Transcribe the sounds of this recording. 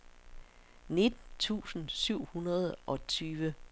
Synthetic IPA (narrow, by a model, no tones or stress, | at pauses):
ne̝d̥n̩t͡sʰṵːsn̩syʊ̰hunɐð̞ˠʔɒ̽t͡sʰyːʋə